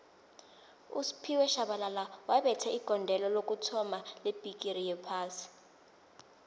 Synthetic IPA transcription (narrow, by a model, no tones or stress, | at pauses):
ṵsi̥pʰiwɛʃaɓalalawaɓɛtʰɛiɡ̥ʱɔndʱɛlɔlok̬ʼutʰɔmaleb̥ʱik̬ʼirijɛpʰaːsi̥